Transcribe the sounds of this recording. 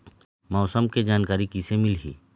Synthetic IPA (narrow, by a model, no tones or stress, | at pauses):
mɔːsəmked͡ʒaːnkaːɾikisemɪlɦḭː